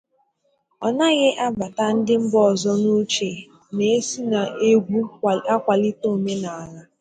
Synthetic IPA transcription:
ɔ˨na˦ɣɪ˦ʔa˦ba˨ta˦n̩˦dɪ˦m̩˦bɔ˨zɔ˦nu˦t͡ʃe˨ | ne˨e˦si˦na˨e˦ɡʷu˦a˦kʷa˨lɪ˦to˦˨me˦na˨a˨ɾa˦

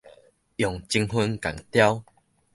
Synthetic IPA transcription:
jɔ˨˩ŋt͡ɕi˧ŋɦu˧nka̰˨˩ŋt̪ja˦w

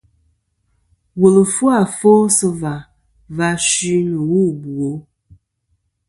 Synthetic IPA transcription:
wo˨lə˨fu˦a˦˨fo˦sə˦va˨ | va˦ʃi˦nə˨wu˦˨bu˨o˨˦

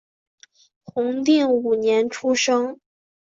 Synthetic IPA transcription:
xʊ˧˥ŋt̪i˥˩ŋu˨˩njɛ˧˥nʈ͡ʂʰu˥ʂɤ˥ŋ

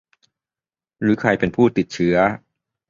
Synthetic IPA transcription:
ɾɯː˩˦kʰɾa˧jpe˧npʰuː˥˩t̪i˨˩t̪̚t͡ɕʰɯ˦˥ɐ

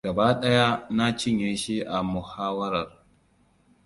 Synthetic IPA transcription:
ɡɐ˨baː˦ɗɐ˦ja˦na˦t͡ʃɪ˦˨ɲjeː˦ʃi˦ʔa˨mʊ˨haː˦wɐ˦ɾɐ˨r

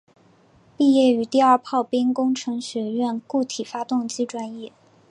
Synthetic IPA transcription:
pi˥˧jɛ˥˩y˧˥t̪i˥˧ɐ˞˥˧pʰɑ˥˩ʊpi˥nkʊ˥ŋʈ͡ʂʰɤ˧˥ŋɕɥɛ˧˥ɥɛ˥˧nku˥˩t̪ʰi˨˩fa˥t̪ʊ˥˧ŋt͡ɕi˥ʈ͡ʂwa˥njɛ˥˩

